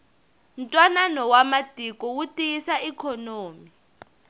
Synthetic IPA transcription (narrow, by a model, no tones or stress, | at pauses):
n̩tʼwananɔwamadʱʼikʼɔwutʼijisaikʰɔnoːmi